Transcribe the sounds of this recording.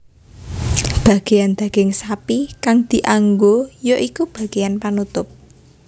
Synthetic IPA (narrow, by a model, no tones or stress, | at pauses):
b̥a̤ɡ̥e̤jand̪̥ä̤ɡ̥ɪŋsapikaŋd̪̥i̤ʔaŋɡojoʔikub̥a̤ɡ̥ejanpanut̪ʊp̚